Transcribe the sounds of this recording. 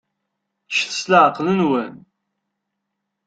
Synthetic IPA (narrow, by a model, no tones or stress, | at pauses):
ʃθə̥slaʕəqːlənwən